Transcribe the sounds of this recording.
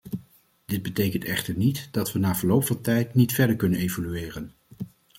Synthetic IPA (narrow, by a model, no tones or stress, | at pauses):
d̥ɪd̚bətejkəntɛχtəɹnitd̥ɑtʋənaːv̥əɹlowpfɑntɛjtnitfɛɹdəɹkɵnənejvolyɪːrən